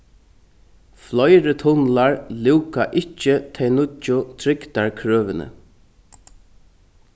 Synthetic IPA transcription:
flɔjɾət̪ʰʊnlaɹlɪwkaʔɪt͡ʃːɪt̪ʰɛjnʊʊt̪ʰɾɪkt̪aɹkʰɹøːʋɪnə̰

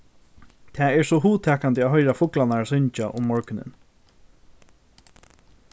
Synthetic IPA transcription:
t̪ʰɛːɛɹsɔɦuːt̪ʰɛːkant̪əaːðɦœjɾafʊklanaɹsʏɲt͡ʃaʔʊ̰mːɔɹkʏnɪ̰n

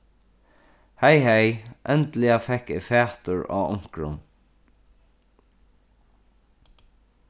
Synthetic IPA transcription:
hɛjɦɛjʔɛnt̪lɪafɛhkɪfæːt̪ʊɹa̰ːʊ̰ŋ̥kɾʊ̰n

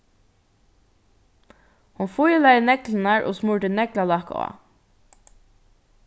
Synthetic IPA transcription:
hʊnfʊjlajnɛklɪnaɹʔʊ̰smʊɹʈ̪ɪnɛklalɑhkɑ̰ː

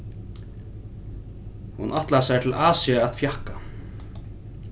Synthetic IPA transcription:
hunʔaht̪lasajt̪ʰɪlʔaːsiaːðfjahka

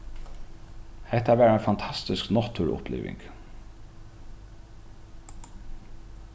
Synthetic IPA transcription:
hɛht̪aæʋæːɾɛnfant̪ʰɑst̪ɪsknɔt̪ʰʊɹʊ̰plḭːʋɪ̰ŋk

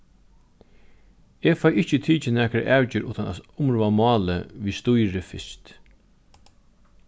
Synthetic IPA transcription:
eːfajɪht͡ʃɪt̪ʰiːt͡ʃɪnɛːkɾa̰ʔæːwt͡ɕɪɾʔṵːt̪ʰana̰sʊmɾuːʋamɑːlə̰ʋiːst̪ʊjɾɪfɪ̰st̪

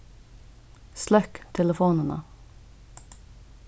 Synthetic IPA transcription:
slœkt̪ʰɛləfuːnənə̰

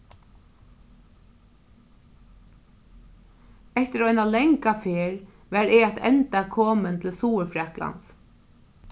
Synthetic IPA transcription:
ɛht̪ɪɾɔʏjnalɛŋkafɪːɾ | ʋæɾɪat̪ʰɛ̰nt̪akʰoːmənt̪ʰɪlsuːəɾfɾakla̰ns

